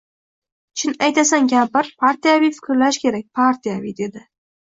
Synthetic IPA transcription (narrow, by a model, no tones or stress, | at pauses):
t͡ʃʰɪnajt̪asaŋɡʲapɪɾpʰaɾt̪ʰijavijfɪ̥kʲɾlaʃkʲʰe̞ɾak̚ʲpʰaɾt̪ʰijavijd̪e̞d̪ɪ